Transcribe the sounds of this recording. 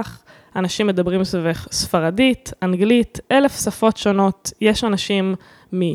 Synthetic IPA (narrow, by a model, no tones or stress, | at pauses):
χ | anaʃimːe̞d̪abʁimsoveχsfaʁaditanɡlit̪ʔele̞fsafo̞tʃo̞no̞tjeʃanaʃimː | i